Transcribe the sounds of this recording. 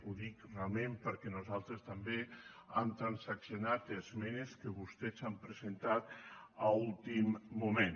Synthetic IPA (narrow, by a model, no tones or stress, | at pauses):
uðikrealˠmẽmpəɾkɛnuzalˠt̪ɾest̪ambe | amt̪ɾansaksjonat̪ezmɛneskəβust̪ɛzampɾəzent̪at̪aulˠt̪imːumẽn